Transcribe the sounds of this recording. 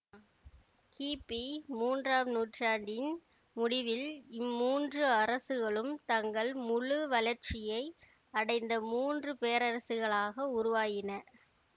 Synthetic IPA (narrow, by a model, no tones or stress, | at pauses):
kiːpimuːndraːmnuːʈraːɳɖɪn | mʊɽɪʋɪlɪmːuːndrɯɐɾɐsɯɣɐɭɯmt̪ɐŋɡɐɭmʊɻɯʋɐlɐɾt͡ʃɪjɐɪ | ɐɽɐɪnd̪ɐmuːndrɯpeːɐɾɐɾɐsɯɣɐɭaːɣɐʊɾʊʋaːɣɪnɐ